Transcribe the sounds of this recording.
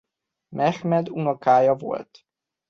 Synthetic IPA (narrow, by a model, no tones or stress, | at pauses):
mɛxmɛd̪unokaːjɒvo̞̰lt̪